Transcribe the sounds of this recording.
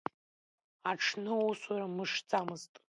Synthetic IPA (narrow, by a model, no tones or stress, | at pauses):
aʈ͡ʂʰnɨuswaɾamɨʂd͡zʼamɨztʼ